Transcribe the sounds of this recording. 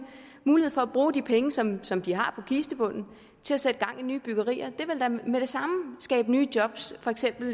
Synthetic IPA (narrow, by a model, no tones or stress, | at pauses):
muːlihḛfɒæb̥ʁuːd̥ipʰeŋəsɒ̽msɒ̽md̥iɦɑ̈pʰɒ̽kʰiːsd̥əb̥ɔ̽n̰n̩ | t͡sʰe̝læsed̥əɡ̥ɑ̈ŋ̰inyːb̥yɡ̥ɐʁḭːɐd̥e̝ʋe̝ld̥æmed̥e̝sɑ̈məsɡ̥ɛ̰ːb̥nyːd̥jɒ̽b̥sfɒ̽eɡ̥sem̰b̥l̩